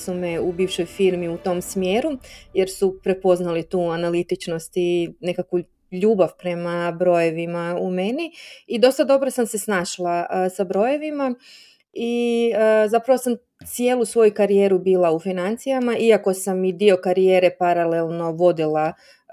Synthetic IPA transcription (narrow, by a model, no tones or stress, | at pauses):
sumeubiːfʃo̞jfiɾmiut̪o̞msmje̞ːɾuje̞ɾsupɾe̞po̞znalit̪uːanalit̪it͡ʃno̞st̪ine̞kakʋu | ʎuːbaʋpɾe̞mabɾo̞je̞ʋimaume̞niid̪o̞st̪ad̪o̞bɾosamse̞snaːʃlˠasabɾo̞je̞ʋima | iəzapɾaʋosam | t̪sije̞ːlˠusʋo̞jukaɾijeːɾubiːlˠaufinant̪sijamaʔiako̞samid̪io̞kaɾijeːɾe̞paɾale̞lˠno̞ʋo̞d̪ilˠa